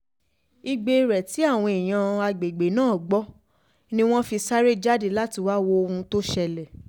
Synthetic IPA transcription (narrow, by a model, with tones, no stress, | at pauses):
i˧ɡ͡be˧ɾɛ˨ti˨˦a˦˨w̃ɔ̃˧i˨j̃ã˧a˧ɡ͡be˨ɡ͡be˨˦nãː˦˨ɡ͡bɔ˦ | nĩ˦w̃ɔ̃˦fi˧sa˦ɾe˦d͡ʒa˦de˧la˦ti˧wa˦wo˦˧ũ˧to˦ʃɛ˧lɛ˨